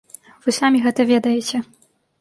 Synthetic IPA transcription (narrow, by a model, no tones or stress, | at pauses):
vɨsamʲiɣɛt̪ɐvʲɛd̪ɐjɛt͡sʲɛ